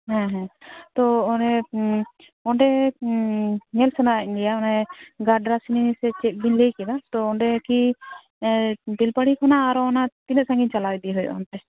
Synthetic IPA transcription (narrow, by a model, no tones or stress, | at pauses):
ɦɛ̃ɦɛ̃t̪ɔɔnɛ | ɔɳɖɛ | ɲɛlsɛnainɡijaɔnɛɡaɖɾasininisɛt͡ʃɛt̪̚ˀbinlejkɛd̪at̪ɔɔɳɖɛki | bilpaɽikʰɔnaːɾɔɔnat̪inɛsãŋɡint͡ʃalawjd̪iɦɔjɔ̰ɔ̰nt̪ɛ